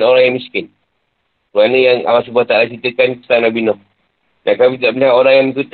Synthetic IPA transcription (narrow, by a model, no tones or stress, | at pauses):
noɾaŋjaŋmiskɪn | kɾuanəjaŋa̰was̬ubuaht̪aʔlat͡ʃit̪əkankə̥sanabinɔh | nakamit̪aʔməniɦaʔoɾaŋjaŋmikut̪